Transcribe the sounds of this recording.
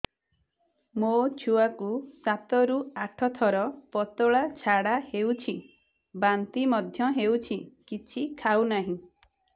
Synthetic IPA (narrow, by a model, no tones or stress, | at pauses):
mot͡ʃʰuakusat̪ɔɾuaʈʰɔt̪ʰɔɾɔpɔt̪oɭat͡ʃʰaɽahewt͡ʃʰi | bant̪imɔd̪ʱjɔɦewt͡ʃʰikit͡ʃʰikʰawnaɦĩ